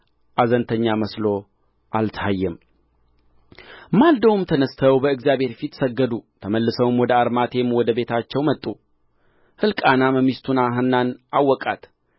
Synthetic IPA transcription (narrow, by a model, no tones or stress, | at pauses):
ʔazənt̪ʰəɲːaməslo̞ | ʔalt̪ʰəajːɛm | mald̪əwɨmt̪ʰənəst̪ʰəwbəɨɡzjaβhe̞ɾfit̪səɡːəd̪ut̪ʰəməlːɨsəwɨmwɔd̪əaɾmat̪ʰe̞mwɔd̪əbe̞t̪ʰat͡ʃːɛwmət̪ʼːu | hɨlkʼanaməmist̪ʰunaɦɨnːanʔawːɔkʼa̰t̪